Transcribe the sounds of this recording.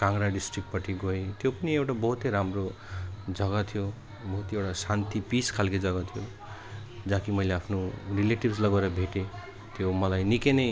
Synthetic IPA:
kaŋɾaɖisʈrik̚ʈ̚pʌʈʰiɡoet̪jopʌniewʈabʌɦut̪ejɾamro | d͡zʌɡat̪ʰijo | bʌɦut̪ewʈasant̪ʰipiskʰalked͡zʌɡʌt̪ʰijo | d͡zãkimʌjleapʰnorileʈibslʌɡaeɾʌbʱeʈe | t̪jomʌlajnikenʌj

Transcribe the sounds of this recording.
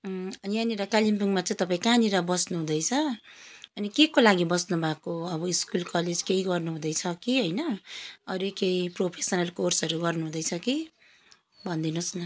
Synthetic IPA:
ʌniʌniɾʌkalimpiŋmat͡sãĩt̪ʌpaĩkaniɾʌbʌsnuɦũd̪ʌjt͡sʰʌ | ʌnikekolaɡibʌsnubʱakoʌbʌiskulkʌled͡zkeiɡʌrnuɦũd̪ʌjt͡sʰʌkiɦʌjnʌʌɾekejpropʰesʌnalkorsɦʌɾuɡʌrnuɦũd̪ʌjt͡sʰʌki | bʱʌnd̪inusnʌ

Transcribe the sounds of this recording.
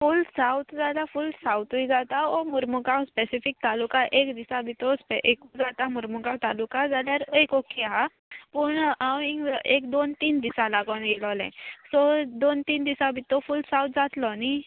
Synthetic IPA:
fulsawt̪d͡zalafulsawt̪uid͡zat̪aomuɾmukawspesifik̚t̪alukaʔekd̪isabʱit̪ɔspeʔekud͡zat̪amuɾmukãwt̪alukãd͡zaljaɾekokʰeɦa | puɳãwĩekd̪ont̪iːnd̪isalaɡɔnɡelɔlɛ̰̃sɔd̪ont̪iːnd̪isabʱit̪ɔfuːlsãwt̪d͡zat̪lɔni

